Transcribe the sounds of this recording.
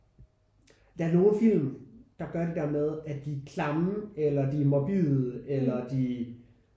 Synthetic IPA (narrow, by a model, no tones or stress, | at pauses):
d̥ææɐno̝ːn̩fil̰md̥ɑ̈ɡ̥ɶɐɾe̝d̥æɐmeð̞ˠæd̥ikʰlɑ̈melɐd̥imob̥ḭð̩ˠelɐd̥i